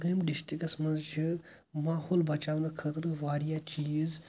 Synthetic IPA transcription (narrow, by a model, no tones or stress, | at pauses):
ɾimɖiʃʈikɐsmɐnzd͡ʒʰi | maːhoːlbɐt͡ʃaːʋnɐkʰɐt̪ɾɨʋaːɾijat͡ʃiːz